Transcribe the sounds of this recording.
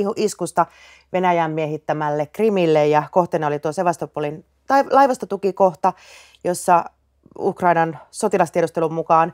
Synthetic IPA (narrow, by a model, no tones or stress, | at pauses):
huʔiskust̪ɑ | ʋe̞næjæmːieɦit̪ːæmælːekrimilːejjɑko̞ht̪enɑolit̪uoseʋɑst̪opuolin | t̪ɑlɑjʋɑst̪ot̪ukiko̞ht̪ɑ | jo̞sːɑ | ṵkrɑinɑnso̞t̪ilɑst̪ieɾust̪elummukɑːn